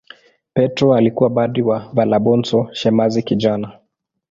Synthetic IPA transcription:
pɛtɾɔalikuwaɓaɗiwavalaɓɔnsɔʃɛmazikid͡ʒana

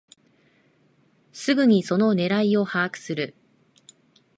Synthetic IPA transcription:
sɨɡɯ̟ɲ̟iso̞no̞ne̞ɾaio̞haːkɯ̟̥sɨɾɯ̟

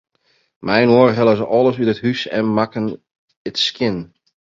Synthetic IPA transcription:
mɛjnoːrɦɛlˠəzəʔɔlˠəsytəthysɛ̰nmakən | ətskɪn

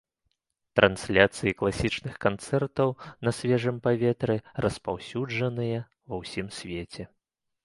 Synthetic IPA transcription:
t̪ɾʔɐnsʲlʲat̪sɨjiklˠasʲit͡ʂnɨxkant̪sɛrt̪ɐwnɐsʲvʲɛʐɨmpavʲɛt̪ɾɛrɐspawsʲud͡ʐɐnɨjɐ | vɐwsʲimsʲvʲet͡sʲɛ

